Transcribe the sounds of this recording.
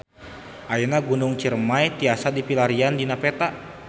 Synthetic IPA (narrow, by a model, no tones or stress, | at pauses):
ʔainaɡunuŋt͡ʃirmajt̪iasadipilaɾiandinapɛt̪a